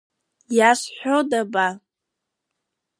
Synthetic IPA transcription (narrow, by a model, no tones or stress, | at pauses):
jaʂħʷᶣodaba